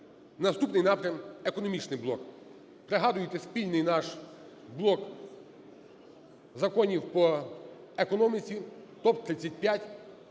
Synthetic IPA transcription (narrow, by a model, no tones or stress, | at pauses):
nɐst̪upnɪjnɑpɾʲɐmekɔnɔmʲit͡ʃnɪjblˠɔk | pɾeɦɑd̪ʊjɪt̪ɛspʲilʲnɪjnɑʃ | blˠɔk | zɐkɔnʲiwpɔ | ekɔnɔmʲit͡sʲit̪ɔp̚t̪ɾɪt͡sʲːɐt̚ʲpʲjatʲ